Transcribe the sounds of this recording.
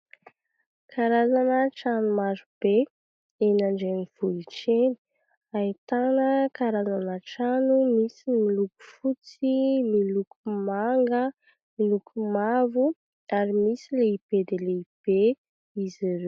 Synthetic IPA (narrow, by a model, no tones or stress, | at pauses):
kʰaɾazanəʈ͡ʂanumaɾub̥e | enaɳɖ͡ʐeniv̥uliʈ͡ʂeni̥ | ait̪anəkaɾazanəʈ͡ʂanumisimiluku̥fut͡similukumaŋɡə | milukʰumavu | aɾimisileib̥ed̪eleib̥e | iziɾe